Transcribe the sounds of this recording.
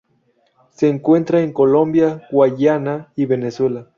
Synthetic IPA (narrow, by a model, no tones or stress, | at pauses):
seːŋkwent̪ɾaeŋkolombjaɡwajanaiβeneswela